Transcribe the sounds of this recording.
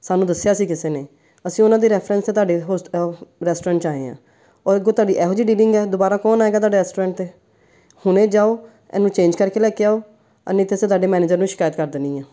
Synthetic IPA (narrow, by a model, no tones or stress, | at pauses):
saːnũːd̪əsːjaːsiːkɪseːneː | əsĩːʊnãːd̪iːɾɛːpʰɾɛ̃ːnst̪eːt̪aːɖeːɦoːɾɛːsʈoːɾɛ̃ːɳʈt͡ʃaːḛːã̰ː | ɔːɾɪɡõːt̪ʊaːɖiːʔɛːɦoːd͡ʒiːɖiːlɪŋɡɛːd̪oːbaːɾaːkɔːnaːeːɡaːt̪̬aːɖeːɾɛːsʈoːɾɛ̃ːɳʈ̚t̪eː | hʊnẽːd͡ʒaːoː | ɛ̰ːnũːt͡ʃẽːnd͡ʒkəɾkeːlɛːkeːaːoː | ə̰nẽːt̪ʰːeːsẽːt̪aːɖeːmɛːneːd͡ʒəɾnũːʃɪ̥kaːjət̪kəɾd̪ənĩːãː